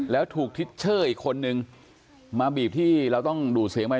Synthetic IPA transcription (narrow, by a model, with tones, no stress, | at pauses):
lɛː˦˥wt̪ʰuː˨˩k̚t̪ʰi˦˥t̪̚t͡ɕʰɤː˥˩ʔiː˨˩kʰːo˧nːɯ˧ŋ | maː˧biː˨˩p̚t̪ʰiː˥˩ɾa˧wt̪ɔ˥˩ŋduː˨˩t̪̚si˩˦əŋpa˧